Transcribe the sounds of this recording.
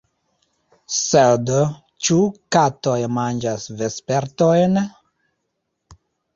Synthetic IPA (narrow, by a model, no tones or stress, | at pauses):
sed | t͡ʃukatojmand͡ʒasvespeɾtojn